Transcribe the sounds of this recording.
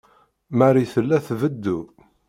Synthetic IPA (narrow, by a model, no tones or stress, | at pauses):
maɾiθəlːæθvəd̪ːu